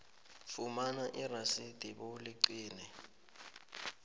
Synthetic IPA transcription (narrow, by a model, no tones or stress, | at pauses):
fumanaʔirasid̥ʱiɓoliǀiːnɛ